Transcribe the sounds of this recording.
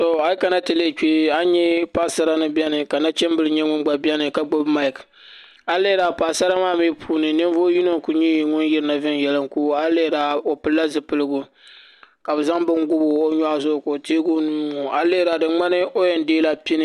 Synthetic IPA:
to˨a˦ji˦ka˨na˦tɨ˨le˦˨t͡ʃi˦a˦ɲɛ˦pa˦˨sa˦ɾa˦nɨ˦bɛ˦nɨ˨ka˨na˦t͡ʃɛ˦mbɨ˦lɨ˨ɲɛ˦ŋʊ˦nɡ͡ba˨bɛ˦nɨ˨ka˨ɡ͡bo˦bma˦jk | a˦le˦ɾa˨pa˨sa˦ɾa˦maː˦mi˦pʰuː˦nɨ˨nɨ˦n˦vo˦ji˦no˦ŋku˨ɲi˦˨ŋʊ˦njɪ˦ɾɨ˦na˨vɪ˦n˦jɛ˨lɨ˦ŋku˦a˦le˦ɾa˨o˨pɨ˨lːa˦zɨ˨pɨ˦lɨ˦ɡʊ˨ | ka˨bɨ˨za˦ŋbɨ˦ŋɡʊ˦bʊ˦o˦ɲa˦zʊ˦ʔʊ˨ko˨teː˦ɡo˦nuː˦ŋu˨a˨leː˦ɾa˨dɨ˨ŋ͡ma˦nɨ˦o˦jɛ˨n˦deː˦la˨pi˦nɨ˦

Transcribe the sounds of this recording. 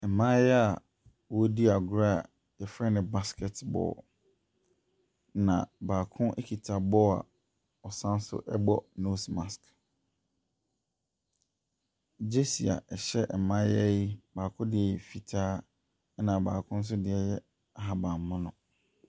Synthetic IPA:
ɛ˨mã˦jɛ˦a˨ | wɔ˦di˦a˨ɡʊ˦ɾa˦˨ | jɛ˨fɾɛ˦nɪ̃˨ba˦skʰɛ˨tbɔ̰ː˨ | nã̰˨baː˨kʰʊ̃˦ʔe˦kʰi˨tʰa˨bɔ˦a̰˨ | ɔ˨sã˦n˦sʊ̰˦ʔɛ̰˦bɔ˦no˦smã˨sk | d͡ʑe˦si˨a̰˨ɛ˨ɕɛ˦ʔɛ˨mã˦jɛ˦i˦baː˨kʰʊ̃˦dɪ˦ɛ˨ɛ˨fi˨tʰaː˦ | nã˨baː˨kʰʊ̃˦n̩˦s̬ʊ˦dɪ˦ɛ˦jɛ˦ | a˦ɦa˨bã˨mː˨ʊ̃˦nʊ̰̃˨

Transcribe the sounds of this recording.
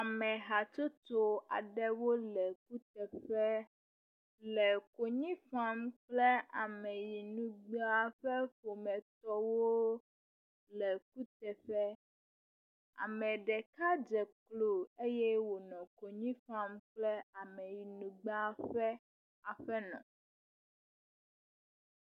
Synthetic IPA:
a˨mɛ̃˨ɦa˨t͡ʃo˦t̪o˦a̰˨ɖɛ˦wo˦lɛ˨ku˦t̪ɛ˨ɸɛ˦ | lɛ˨ko˨ɲĩ˦fa˦mk͡plɛ˦a˨mɛ˨ji˨nũ˨ɡ͡be˦a˦˨ɸɛ˦ɸo˨mɛ̃˨t̪ɔ˦wo˦ | lɛ˨ku˦t̪ɛ˨ɸɛ˦ | a̰˨mɛ̃˨ɖɛ˨ka˦d͡ʒɛ˨klo˨e˦jɛ˦wo˨nɔ̃˨ko˨ɲĩ˦ɸa˦mk͡plɛ˦a˨mɛ̃˨ji˨nũ˨ɡ͡ba˦˨ɸɛ˦ | a˨ɸɛ˦nɔ̰̃˨

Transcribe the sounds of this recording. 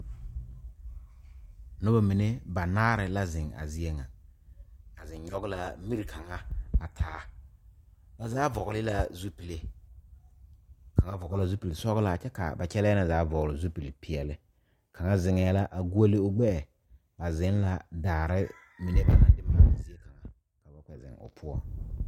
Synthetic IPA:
nʊ˦ba˨mi˨ne˦ba˨naː˦ɾɪ˨la˦zɪ̃˨ŋa̰˨zi˦e˦ŋa˨ | a˨zɪ̃˨ɲɲɔ˦ɡɪ˦la˨mi˦ɾi˨kʰa˨ŋa˦a˨tʰaː˨˦ | ba˨zaː˦vɔ˨ɣlɪ˦la˦zu˦pi˨le˨ | ka˨ŋa˦vɔ˨ɣla˨zu˦pi˨le˨sɔ˦ɣɪ˦la˨t͡ʃɛ˦ka̰˨ba˨t͡ʃɛ˦lɛ˦na˨zaː˨˦vɔ˨ɣlɪ˨zu˦pi˨le˨pi˨ɛ˨lɪ˦ | kʰa˨ŋa˦zɪ˨ŋɛ˨˦la˦ʔa˨ɡu˦o˦lɪ˦ʊ˦ɡ͡bɛ˦ɛ˨ | ba˨zɪ˨˦n˦la˦daː˨ɾɪ˦ | mi˨ne˦ba˨na˨dɪ˦ma˨a̰˨zi˦e˦ka˨ŋa̰˨ | ka˨ba˦kɛ˨zɪ̰˨ŋʊ̰˨pʰʊ˦ɔ̰˨

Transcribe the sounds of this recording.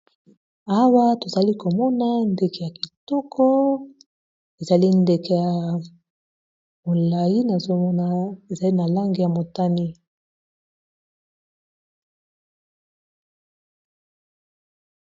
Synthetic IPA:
a˦wa˦to˨za˨li˦ko˨mɔ˦na˦nde˨ke˨ja˨ki˨tɔ˦kʰɔ˦ | e˨za˨li˦nde˨ke˨ja˨ | mo˨la˨ji˦na˨zo˦mɔ˦na˦e˨za˨li˦na˨la˦ŋɡi˨ja˨mo˨ta˦ni˦

